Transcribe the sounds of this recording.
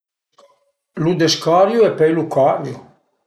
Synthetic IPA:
lud̪eskɔɾjuɛpɛjlukʰaɾju

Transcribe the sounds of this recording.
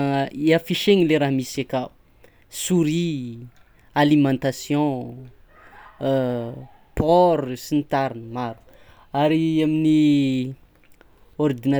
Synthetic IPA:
iafiʃeŋileɾaɦmisekə | suɾi | alimɑ̃nt̪asjɔ̃ | pɔɾsint̪aɾinəmaɾu̥ | aɾiamini | oɾd̪ina

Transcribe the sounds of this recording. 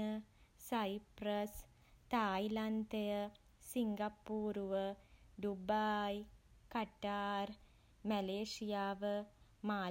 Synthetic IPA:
əsajpɾɐs | t̪aːjlant̪ejə | siŋɡɐpːuːɾuʋəɖubajkɐʈaːɾ | mɛleːʂijaːʋə | maː

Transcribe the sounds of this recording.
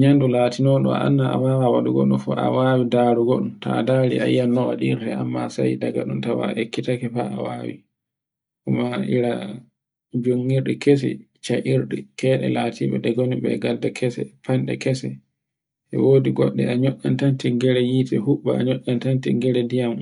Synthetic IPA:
ɲandulatʰinɔɗɔ̰a̰nːaa̰wawawaɗuɡɔ̰ɗufɔ̰ʔa̰wawidaɾuɡɔɗuntadaɾḭʔa̰janːɔwa̰ɗiɾtɛa̰mːasajdaɡaɗuntawa̰ʔekːitakɛfaawa̰wi | kumaʔiɾa | d͡ʒoŋːiɾɗɛkes̬ḭt͡ʃaʔiɾɗɛkɛɗɛ̰latiɓɛɗɛɡoniɓɛ̰ɡadːɛkʰɛsɛ̰panɗɛ̰kɛsɛ | ʔɛ̰woːdiɡɔ̰ɗːɛaɲɔɗːantantiŋɡɛɾɛjitɛhuɓːaaɲɔɗantantiŋɡɛɾɛdijam

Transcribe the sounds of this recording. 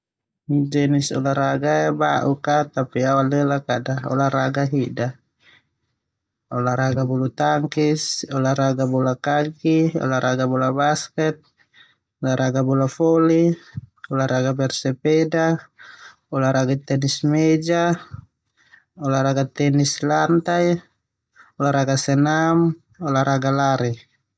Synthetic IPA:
mid͡ʒɛnisɔ̰laɾaɡaɛbaʔukat̪apiawalɛlakadaɔ̰laɾaɡaɦida | ɔlaɾaɡabulut̪aŋkisɔlaɾaɡabɔlakaɡiɔ̰laɾʔaɡabɔlabaskɛt̪̚ | ɔlaɾaɡabɔlafɔliɔlaɾaɡabɛrsɛpɛda | ɔlaɾaɡat̪ɛnismɛd͡ʒa | ɔlaɾaɡat̪ɛnislant̪aij | ɔlaɾaɡasɛnam | ɔlaɾaɡalaɾɛ

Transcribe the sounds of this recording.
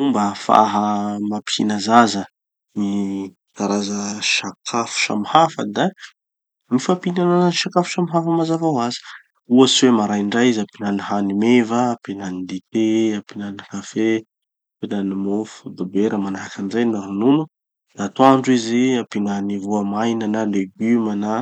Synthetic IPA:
umbəfa̰ɦəmapinazazə | ni | k̪aɾazəʃakʰafu̥ʃa̰mihafə̰d̪a | mifapinanaaniʃakafu̥ʃamiɦafəmazavawazi̥ | uasiwemaɾajɳɖ͡ʐajizapinanihanimevəpenanilit̪eapinanikafe | apenanimofud̪ubeɾəmanaɦakanzajnaɾununu | d̪̥at̪oaɳɖ͡ʐiziapinanivuəmajnənaleɡyməna

